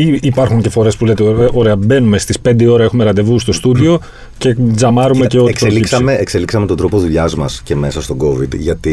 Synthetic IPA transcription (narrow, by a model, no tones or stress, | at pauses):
iipɐɾxuɲce̞fo̞ɾe̞spulet̪eoɾe̞ɐbe̞nume̞st̪ispe̞nd̪io̞ɾɐe̞xume̞ɾɐnd̪e̞vust̪o̞st̪uðio̞ | ce̞zɐmɐɾumece̞o̞t̪ispɾeoliisɐmeekse̞liksɐmet̪od̪ɾo̞poðuʎɐzmɐsce̞me̞sɐst̪o̞ɡo̞vid̪ʝɐt̪i